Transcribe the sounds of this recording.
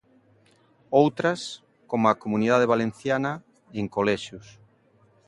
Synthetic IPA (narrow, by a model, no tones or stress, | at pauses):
owt̪ɾɐs | komoakomuniðað̞eβalen̟θjanɐ | eŋkolɛʃus